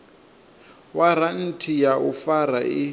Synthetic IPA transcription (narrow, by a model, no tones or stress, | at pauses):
waɾan̩tʰijaʔufaɾaʔɪ